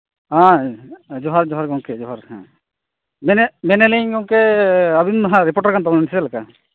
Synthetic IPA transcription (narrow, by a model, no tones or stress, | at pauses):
ã | d͡ʒɔɦaɾd͡ʒɔɦaɾɡɔŋkɛd͡ʒɔɦaɾɦã̰ | mɛnɛmɛnɛliɲɡɔŋkɛabinmɦãɾipɔɾʈaɾkant̪amnanisɛlaka